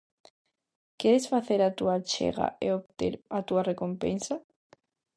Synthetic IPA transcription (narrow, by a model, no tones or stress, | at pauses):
keðesfaθeɾat̪uat͡ʃḛɣa̰ʔeoβt̪ḛɾat̪uarekompḛnsa